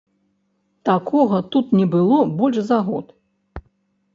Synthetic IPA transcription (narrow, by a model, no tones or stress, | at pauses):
t̪akʰɔɣɐt̪ut̪nʲɛbɨlˠɔbɔlʲʂzaɣɔt̪